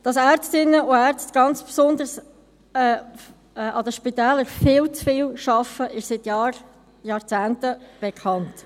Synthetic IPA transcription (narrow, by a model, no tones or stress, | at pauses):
d̥ɑsæːɾt͡stɪnːəʊæɾt͡stɡ̥ɑnt͡spsʊnd̪əɾs | ɛː | ɛːʔɑdəʃpitɛːləɾfɪːlt͡sfiːlʃɑfəʔɪʃsɪtjɑːr | jɑːɾt͡sæːntəb̥ekʰɑnt